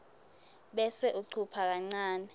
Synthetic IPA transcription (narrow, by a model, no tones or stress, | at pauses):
ɓɛsɛʔuǀʰupʰak̬aŋ͡ǀaːnɛ